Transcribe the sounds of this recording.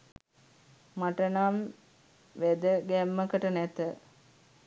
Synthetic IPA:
maʈənam | ʋæd̪əɡæmːəkəʈənæt̪ə

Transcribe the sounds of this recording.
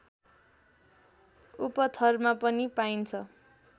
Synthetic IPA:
upʌt̪ʰʌrmapʌnipaint͡sʰʌ

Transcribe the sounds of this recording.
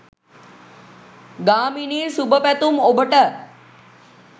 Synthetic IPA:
ɡaːminisubʱəpɛt̪umobəʈə

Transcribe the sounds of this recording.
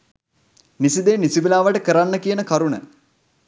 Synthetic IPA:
nisid̪eːnisiʋilaːʋəʈəkəɾanːəkijənəkaɾunə̰

